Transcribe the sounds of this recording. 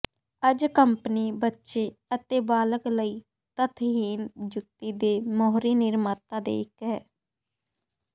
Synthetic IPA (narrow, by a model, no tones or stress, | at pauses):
əd͡ʒkəmpəniːbətːʃeːət̪eːbaːləkləiː | t̪ət̪ʰɦiːnd͡ʒʊk̚t̪iːd̪eːmɔːɦɾiːnɪɾmət̪ãːd̪ḛːkɦɛː